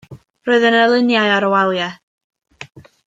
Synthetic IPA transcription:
roːɨðənəlˠɪnjaɨaɾəwalˠja

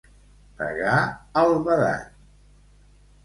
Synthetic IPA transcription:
pə̰ɣaəlˠβəða̰

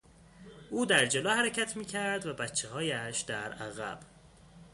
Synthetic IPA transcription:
ʔuːd̪æɾd͡ʒeloːhæɾecʰæt̪ʰmiːcʰæɾd̪væbætt͡ʃʰːehɒːjæʃd̪̥æɾæɣæ̰b̥

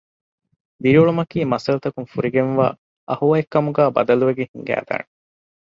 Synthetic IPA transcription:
d̪iɾiuɭumɐkiːmɐsɐlut̪ɐkunfuɾiɡenʋa̰ː | ʔɐhuʋɐekːɐmuɡæːbɐ̰d̪ɐluʋeɡehiŋɡæ̰ːd̪a̰ːne

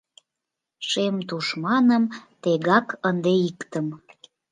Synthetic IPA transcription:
ʃemt̪uʃmɑnəmt̪eɣɑkənd̪eikt̪əm

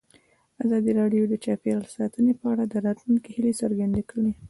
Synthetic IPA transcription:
azɑd̪iɾɑɖjod̪ət͡ʃɑpelsɑt̪ənepəaɽad̪əɾɑt̪lunkehilesəɾɡand̪ekəɽe

